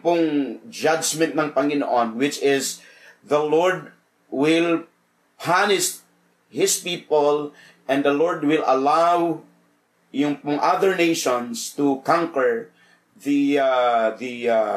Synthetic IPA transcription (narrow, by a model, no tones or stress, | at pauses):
pʊŋd͡ʒad͡ʒmɛ̃nt̪̚nɐŋpɐŋɪnoʔɔ̃nwɪt͡ʃɪs | ðɐlɔɹd̪̚ | wɪl | pʰanɪst̪̚ | hɪspiːpol | ʔɛ̃nd̪ɐlɔɹd̪wɪlʔɐ̰law | jʊŋpʊŋʔaðəɹnejʃɔ̃nst̪ʊkãŋkɛɹ | ðiaði